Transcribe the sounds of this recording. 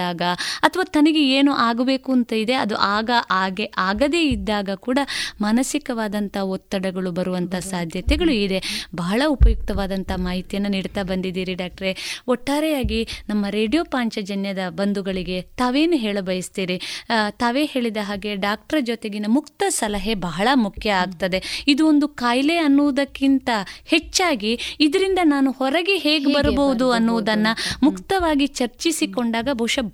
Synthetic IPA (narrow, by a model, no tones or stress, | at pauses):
aːɡɐɐt̪ʰɐʋaːt̪ɐnɐɡe̞eːnuʔaːɡɐbe̞ːkuɐnt̪ɐid̪e̞ɐd̪uʔaːɡɐʔaːɡeʔaːɡɐd̪e̞ːid̪ːaːɡɐkuːɽɐmɐnɐsikɐʋaːd̪ɐnt̪ɐɔt̪ːɐɽɐɡɐɭubɐɾuʋɐnt̪ɐsaːd̪ʱjɐt̪ɛɡɐɭuid̪e̞bɐɦɐɭɐupɐjuk̚t̪ɐʋaːd̪ɐnt̪ɐmaːɦit̪jɐnːɐniːɽt̪aːbɐnd̪id̪iːɾiɖaːk̚ʈɐɾeɔʈːaːɾɛjaːɡinɐmːɐɾe̞ːɖijoːpaːɲt͡ʃɐd͡ʒɐnjɐd̪ɐbɐnd̪uɡɐɭiɡe̞t̪aːʋe̞ːnuɦe̞ːɭɐbɐjɐst̪iːɾit̪aːʋe̞ːheːɭid̪ɐɦaːɡe̞ɖaːk̚ʈɐɾɐd͡ʒot̪e̞ɡinɐmukt̪ɐsɐlɐɦe̞bɐɦɐɭɐmukʰjɐaːɡt̪ɐd̪e̞id̪uond̪ukaːjle̞ɐnːuʋud̪ɐkːint̪ɐhe̞t͡ʃːaːɡiːd̪ɐɾind̪ɐnaːnuhɔɾɐɡeɦeːɡebɐɾɐbɐud̪uɐnːuʋud̪ɐnːɐmukt̪ɐʋaːɡit͡ʃɐɾt͡ʃisiko̞ɳɖaːɡɐbʱɐwʂɐ